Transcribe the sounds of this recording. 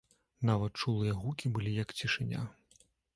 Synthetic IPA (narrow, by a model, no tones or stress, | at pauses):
navɐt̪t͡ʂulˠɨjɐɣukʲibɨlʲijɐkt͡sʲiʂɨnʲa̰